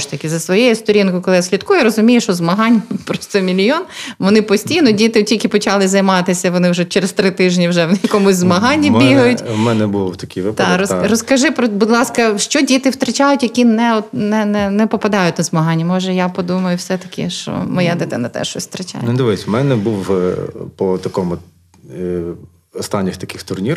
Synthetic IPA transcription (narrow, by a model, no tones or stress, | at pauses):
ʃt̪ɐkʲɪzɐsʋɔjejʊst̪ɔɾʲinkʊkɔlˠɪjsʲlʲit̪kujʊɾɔzʊmʲijʊʃɔzmɐɦɑnʲpɾɔst̪ɛmʲilʲijɔnʋɔnɪpɔsʲtʲijnɔdʲit̪ɪtʲilʲkʲɪpɔt͡ʃɑlˠɪzɐjmɑt̪ɪsʲɐʋɔnɪwʒɛt͡ʃeɾest̪ɾɪt̪ɪʒnʲiwʒɛwnjɐkɔmʊzʲzmɐɦɑnʲːibʲiɦɐjʊtʲmɛnɛbʊlˠɔt̪ɐkʲiʋɪpt̪ɑɾɔrɔskɐʒɪpɾɔbʊd̪lˠɑskɐʃt͡ʃɔdʲit̪ɪwt̪ɾɐt͡ʃajʊtʲjɐkʲinɛɔt̪nɛnɛnɛpɔpɐd̪ɑjʊt̚ʲnɐzmɐɦɑnʲːɐmɔʒɛjapɔd̪umɐjʊwsɛt̪ɐkʲɪ̰ʃt͡ʃɔ̰mɔjɛd̪ɛt̪ɛnɛt̪ɛ̰ʃɔsʲst̪ɾɐt͡ʃa̰jnd̪ɪʋɪjsʲmɛnɛbuw | pɔt̪ɐkɔmʊ | ɔst̪ɑnʲːɪxt̪ɐkʲɪxt̪ʊrnʲir